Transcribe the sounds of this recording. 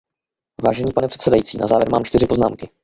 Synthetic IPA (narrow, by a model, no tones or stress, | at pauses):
vaːʒɛɲiːpanɛpr̥ɛt̪sɛdajiːt͡siːna̰zaːvjɛɾma̰ːmt͡ʃt̪ɪr̝ɪpo̞zna̰ːmkɪ